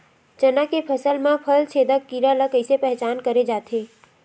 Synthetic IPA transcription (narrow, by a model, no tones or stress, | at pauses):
t͡ʃənakepʰəsəlmãpʰəlt͡ʃʰeːd̪əkːiɾaləkəɪsepɛɦt͡ʃaːnkəɾed͡ʒaːt̪ʰeː